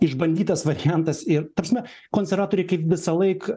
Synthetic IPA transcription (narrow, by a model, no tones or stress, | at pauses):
ɪʒbɐnʲd̪ʲiːt̪ɐsʋɐɾʲɪjænt̪ɐsɪɾt̪ɐpɾɐsʲmʲɛ | koːnʲsʲɛɾʋɑːt̪oːɾʲɛɪkɐɪpʋʲɪsɐlˠɐɪk